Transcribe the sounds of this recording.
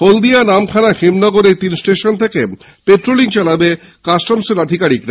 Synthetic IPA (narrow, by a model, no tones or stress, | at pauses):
hold̪ianamkʰanaxemnɔɡoɾeɾt̪insʈeʃont̪ʰeke | peʈɾoliŋt͡ɕalabe | kasʈomseɾad̪ʱikaɾikɾa